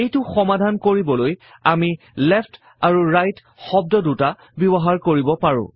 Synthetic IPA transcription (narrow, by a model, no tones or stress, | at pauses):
ejtʊxɔmadʱankoɹibɔlojami | lɛpt | aɹuɹajt | xɔb̚dɔduta | bɔbɔɦaɹkoɹibɔpaɹʊ̰̃